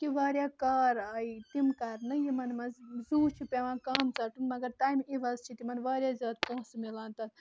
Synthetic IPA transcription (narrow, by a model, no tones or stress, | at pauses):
kiʋaːɾjakaːɾaːit̪imkaɾnɨjimɐnmɐzzuːt͡ʃʰipʲeʋãːkaːmt͡sɐʈunmɐɡɐɾʈ̪aːjmiʋɐzt͡ʃʰit̪imɐnʋaːɾjaːzjaːd̪̚põɦsmilaːnt̪ɐn